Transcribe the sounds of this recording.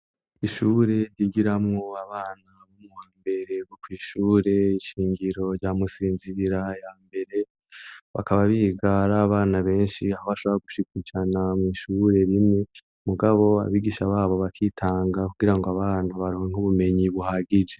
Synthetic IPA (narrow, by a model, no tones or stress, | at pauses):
iʃuːɾe̞ɾjiːɡiɾamŋo̞aβaːnaβomuwaːmbe̞ɾe̞βokwiːʃuːɾe̞iʃiːŋɡiɾo̞ɾɟaːmusiːnziβiɾajaːmbe̞ɾe̞ | βa̰kaβaβiɡaɾaːβaːnaβe̞ːnʃiahoβaʃo̞βoɾaɡuʃikud͡ʒanamŋiːʃuɾe̞ɾimŋe̞ | muɡaβo̞a̰βiːɡiʃaβaːβo̞βakʰitʰaːŋɡakuɡiɾaŋɡoaβaːnaβaɾieŋ̥uβume̞ɲiβuhaɡid͡ʒe̞